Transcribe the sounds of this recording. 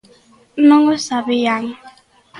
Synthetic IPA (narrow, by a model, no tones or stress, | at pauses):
n̩nɔŋɔsaβɪjaŋ